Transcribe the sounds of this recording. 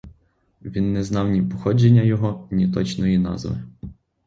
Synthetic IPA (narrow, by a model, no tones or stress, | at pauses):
ʋʲinːɛznɑwnʲipɔxɔd͡ʒenʲːɐjɔɦɔnʲit̪ɔt͡ʃnɔjinɑ̰zʋɪ̰